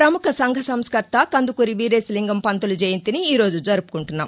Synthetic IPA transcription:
pɾɐmukɐsɐŋɡʱɐsɐmskɐɾt̪ːɐkɐnd̪ukuɾiʋiːɾeːsliŋɡɐmpɐnt̪ulud͡ʒeːjint̪iniiːɾo̞ːd͡ʒud͡ʒɐɾupu̥kuɳʈunːa̰ːm

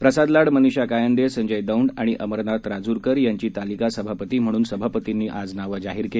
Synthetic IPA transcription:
pɾəsad̪laɽməniɕakajənd̪esəɲd͡ʑəjd̪əuɳɖaɽ̃iʔəməɾnat̪ɾad͡zuɾkəɾjaɲt͡ɕiːt̪alikasəbʱapət̪iːm̤əɽ̃uːnsəbʱapət̪inːiːʔad͡znaʋəd͡zaɦiːɾke

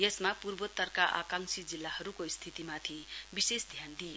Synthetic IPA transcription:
jesmapurbot̪ːʌrkaʔa̰kaŋsid͡zilːahʌɾukoist̪ʰit̪imat̪ʰibisesd̪ʱjand̪ij

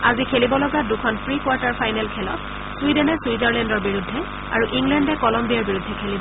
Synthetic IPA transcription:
azikʰelibɔlɔɡadukʰɔnpʰɹikwaɹtaɹpʰajnɛlkʰɛlɔ̰t | swidɛnɛswizaɹlɛndɔɹbiɹudʱːɛ | a̰ɹuʔiŋlɛndɛkɔlɔmbijaɹbiɹudʱːɛkʰelibɔ

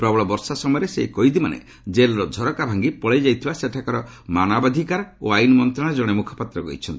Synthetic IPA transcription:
pɾɔbɔɭɔbɔɾsasɔmɔjɔɾesḛikɔɦjd̪imanḛ | d͡ʒelɾɔd̪ʱɔɾɔkabʱaŋɡipɔɭajd͡ʒajt̪ʰibaseʈʰakɔɾɔmanabad̪ʱikaɾo̰ajnɔmɔnt̪ɾaɽ̃ad͡ʒɔɽ̃emukʰɔ̥pat̪ɾɔɡɔ̰ɦit͡ʃʰɔnt̪i̥

